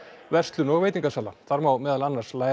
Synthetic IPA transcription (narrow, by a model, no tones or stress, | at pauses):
vɛrst̪lʏnɔɣveːjt̪iŋkasaːlaθaɾmawmɛːðalanːaɾ̥r̥sla